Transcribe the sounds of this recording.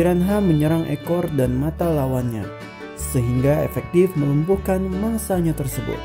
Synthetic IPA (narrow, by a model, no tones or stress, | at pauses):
iɾanɦaməɲəɾaŋʔɛ̰kɔrdanmat̪alawanɲa̰ | səɦiŋɡaḛfɛk̚t̪ɪfməlumpuhkanmaŋsaɲat̪ərsəbʊ̰t̪̚